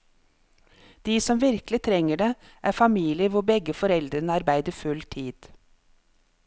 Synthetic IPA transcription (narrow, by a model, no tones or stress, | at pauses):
d̪̥iːsɔmʋɪɾklɪt̪ʰɾɛŋəɖeː | ʔæːfɑmiːlɪəʋʊbɛɡəfɔɾɛld̪ɾənəɑɾbæɪd̪əfʉlt̪ʰiːd̪̥